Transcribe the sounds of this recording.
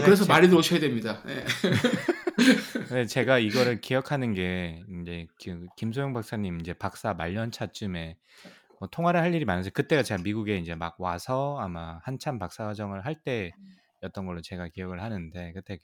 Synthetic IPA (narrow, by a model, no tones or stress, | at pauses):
kɯɾes̬ʰʌmaɾidɯɾoɕʰʌjadwemɲidane̞̰ | net͡ɕe̞ɡaiɡʌɾɯɭkijʌkʰanɯnɡe̞ind͡ʑe̞kɯkimsʰojoŋbak̚s͈aɲimind͡ʑe̞pak̚s͈amaʎːʌnt͡ɕʰat͡ɕ͈ɯme̞ | mʌtʰoŋɦwaɾɯɭɦaʎːiɾimanasʰʌkɯt͈e̞ɡat͡ɕe̞ɡamiɡuɡe̞ind͡ʑe̞maɡ̚wasʰʌamahant͡ɕʰampak̚s͈awad͡ʑʌŋɯɭɦaɭt͈e̞ | jʌt͈ʌnɡʌɭːot͡ɕe̞ɡakijʌɡɯɭhanɯnde̞kɯt͈e̞